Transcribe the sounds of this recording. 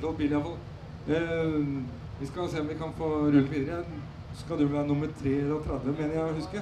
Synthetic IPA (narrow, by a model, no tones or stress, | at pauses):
ɔlbiːlɑfɑl | ʋɪskɑseːɔmʋɪkʰɑnfoːɾʉləʋiːd̪ɾə | skɑld̪ʉʋæːɾnʊmːəɾt̪ʰɾeːɛlɔt̪ʰɾɛd̪ʋəmɛnəɾjæɪhʉskəɾ